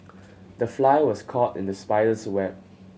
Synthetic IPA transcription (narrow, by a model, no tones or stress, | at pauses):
dəflajəwɔskʰɔtɪ̰̃ndəspaɪəswɛt̚